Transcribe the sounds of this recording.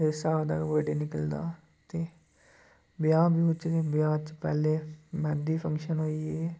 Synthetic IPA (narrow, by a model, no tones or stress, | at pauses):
esaːd̪aːkbeːɖeːnɪkəld̪a̰ː | t̪eː | bɪjaːbiʊt͡ʃːd̪eːbɪjaːt͡ʃpɛːleːmɛ̃ːd̪iːpʰə̃ŋkʃənɦoːiːeː